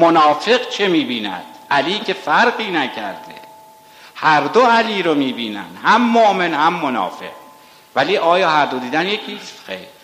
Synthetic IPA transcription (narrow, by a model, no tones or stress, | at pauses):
monɒːfe̞ɢt͡ʃʰemiːbiːnæ̰d̪̥̚ʔæliːcʰe̞fæɾɢiːnæcʰæ̰ɾd̪ḛ | hæɾd̪oæliːɾomiːbiːnæ̰nhæmːoʔmenhæmːonɒ̰ːfe̞̰q̚ | væliːʔɒːjɒːhæɾd̪od̪iːd̪ænjekʰiːst̪xḛjɾ